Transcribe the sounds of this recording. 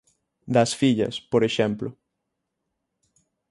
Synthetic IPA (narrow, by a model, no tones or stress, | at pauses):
d̪ɐsfiʎɐ̰spoɾeʃɛmplʊ